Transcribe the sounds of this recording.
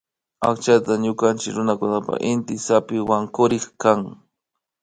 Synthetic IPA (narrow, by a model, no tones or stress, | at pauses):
akt͡ʃat̪aɲʊkant͡ʃɪkɾʊnakʊnapa̰ʔɪnt̪ɪsapɪwaŋkʊɾɪχkaŋ